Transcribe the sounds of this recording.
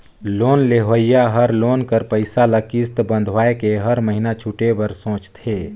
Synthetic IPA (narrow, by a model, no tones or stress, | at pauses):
loːnleɦəijaɦəɾloːnkəɾpəɪsaləkist̪bə̃nd̪ʱʋaːekeɦɐɾməɦinat͡ʃʰuʈebəɾsõːt͡ʃt̪ʰeː